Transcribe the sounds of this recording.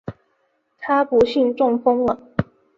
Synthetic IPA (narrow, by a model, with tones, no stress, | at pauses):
t̪ʰa˥pu˧˥ɕi˥˧nʈ͡ʂʊ˥˩ŋfɤ˥ŋlə˨